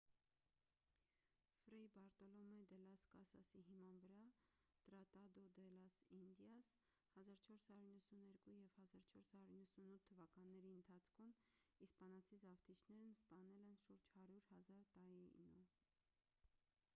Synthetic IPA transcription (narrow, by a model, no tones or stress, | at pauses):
fɾɛbɑɾt̪ɔlɔmɛd̪ɛlɑskɑsɑsiɦimɑnvəɾɑ | t̪ɾɑt̪ɑd̪ɔd̪ɛlɑsind̪jɑs | hɑzɑɾt͡ʃʰɔɾshɑɾjuɾinːəsunɛɾkujɛvhɑzɑɾt͡ʃʰɔɾshɑɾuɾinːəsunut̪ʰːəvɑkɑnːɛɾiənt̪ʰɑt͡sʰkʰumispɑnɑt͡sʰizɑvt̪ʰit͡ʃʰnɛɾnspɑnɛlɛnʃuɾd͡ʒhɑɾjuɾhɑzɑɾt̪ɑɾḭnu